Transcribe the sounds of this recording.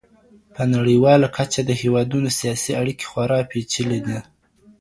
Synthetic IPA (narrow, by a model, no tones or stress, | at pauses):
pənaɽəwɑlakʰat͡ʃad̪əhewɑd̪unosijɑsiaɽike̥xwaɾɑpet͡ʃəled̪i